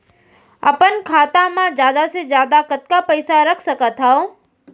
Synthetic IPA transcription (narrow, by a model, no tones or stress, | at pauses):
ə̰pənkʰaːt̪amãd͡ʒjaːd̪ased͡ʒjaːd̪akɐt̪̚kapəjsaɾɐkʰsɐkat̪ʰao